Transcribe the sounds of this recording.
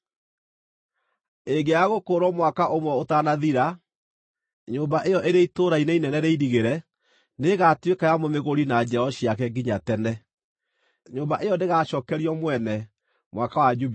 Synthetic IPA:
eɡeaɣokoɾɔmwakaʔomwɛotanaðiɾa | ɲoːmbaʔejɔʔeɾeaitoɾainɛinɛnɛɾeiɾiɣeɾɛ | neɣatwekajamomeɣoɾinad͡ʒɛɔɕiak̬ɛɡiɲatɛnɛ | ɲoːmbaʔejɔndeɣaʃɔkɛɾiɔmwɛnɛ | mwakawad͡ʒu

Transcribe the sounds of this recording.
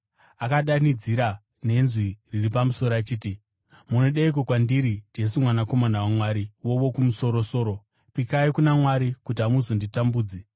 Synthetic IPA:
akaɗanid͡ziɾa | ne̞nzwiriripamuso̞ɾat͡ʃiːti | munoɗeik̬okwandiɾid͡ʒe̞s̬umwanako̞manawamwaɾiwo̞ʋo̞kumuso̞ɾoso̞ːɾo̞ | pikaikunamwaɾikut̬iɦamuzonditambuːd͡zi

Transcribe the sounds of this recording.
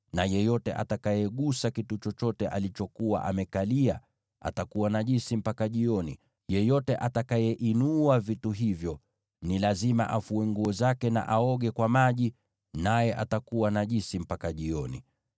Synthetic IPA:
najɛjɔtɛ̰ʔa̰takajɛɠusakitut͡ʃɔt͡ʃɔtɛʔalit͡ʃɔkuwa̰ʔa̰mɛkalia | a̰takuwanaʄinsim̩pakaʄiɔnḭ | jɛjɔtɛʔatakajɛʔinuavituɦivjɔ | nilazima̰ʔafuɛŋɡuɔzakɛna̰ʔaɔɠɛkwamaʄi | najɛʔa̰takuwanaʄinsim̩pakaʄiɔnḭ

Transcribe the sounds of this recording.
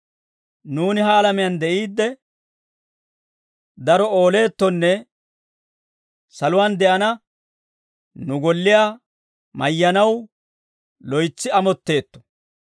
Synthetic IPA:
nuːnɪɦɐːlɐmɪjand̪ɛʔiːd̪ːɛ | d̪ɐɾɔo̞ːle̞ːt̪ːɔnːɛ | sɐlʊwaːnd̪ɛʔɐnɐ | nʊɡɔlːɪjaː | mɐjːɐnɐw | lɔjt͡sːɪɐmɔt̪ːe̞ːt̪ːɔ̥

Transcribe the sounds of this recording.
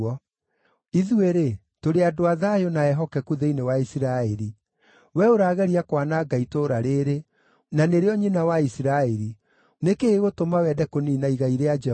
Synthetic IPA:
ɔ | iðueɾe | toɾeadoaðajonaɛɦɔkɛkuðeinewaisiɾaɛɾi | wɛoɾaːɣɛɾiakwanaːɡaitoɾaɾeɾe | naneɾeɔɲinawaisiɾaɛɾi | nekeːɣotomawɛdɛkoniːnaiɣaiɾead͡ʒɛ

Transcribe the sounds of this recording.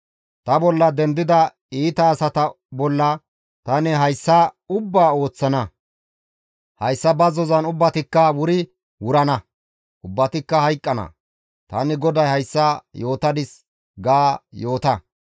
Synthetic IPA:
t̪ɐbɔlːɐd̪ɛnd̪ɪd̪ɐ | iːt̪ɐːsɐt̪ɐ | bɔlːɐ | t̪ɐnɛɦɐjsːɐʊbːaːo̞ːt͡sːɐnɐ | hɐjsːɐbɐzɔzɐnʊbːɐt̪ɪkːɐwʊɾɪ | wʊɾɐnɐ | ʔʊbːɐt̪ɪkːɐhɐjkʼːɐnɐ̰ | t̪ɐ̰nɪɡɔd̪ɐjhɐjsːajo̞ːt̪ɐd̪ɪs | ɡaːjo̞ːt̪ɐ

